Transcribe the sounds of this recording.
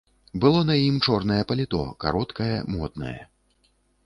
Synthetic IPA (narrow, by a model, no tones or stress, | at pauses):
bɨlˠɔnɐjimt͡ʂɔrnɐjɛpɐlʲit̪ɔ̰ka̰ɾɔt̪kɐjɐmɔt̪nɐ̰jɐ̰